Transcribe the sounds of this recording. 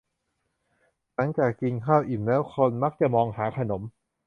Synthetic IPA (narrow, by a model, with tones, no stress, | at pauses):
na˦˥ŋt͡ɕaː˨˩kːi˧nkʰaː˥˩wʔi˨˩nlɛː˦˥wkʰo˧nma˦˥k̚t͡ɕa˨˩mɔː˧ŋhaː˩˦kʰa˧no˩˦m